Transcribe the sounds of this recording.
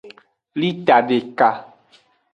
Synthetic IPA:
li˦t̪a˨ɖe˨ka˨

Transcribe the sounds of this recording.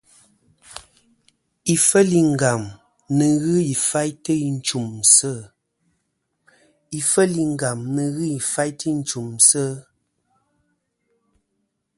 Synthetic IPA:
i˨fə˦li˨ŋ̩˦˨ɡa˨m | nə˨ɣɨ˦i˨fa˦jtə˦i˨n̩˦t͡ʃu˨msə˦˨ | i˨fə˦li˨ŋ˦ɡa˨mnə˨ɣɨ˦i˨fa˦jtə˦n̩˦t͡ʃu˨msə˦

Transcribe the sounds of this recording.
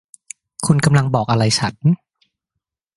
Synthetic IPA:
kʰu˧nka˧mla˧ŋbɔː˨˩k̚ʔa˧ɾa˧jsʰa˨˦n

